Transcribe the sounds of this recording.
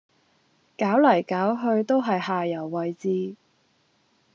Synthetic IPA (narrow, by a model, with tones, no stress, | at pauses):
kaː˨˥wlɐ˨˩jkaː˨˥wɦɵ˧ɥt̪o˥wɦɐ˨jhaː˨jɐ˨˩wːɐ˨˩jt͡siː˧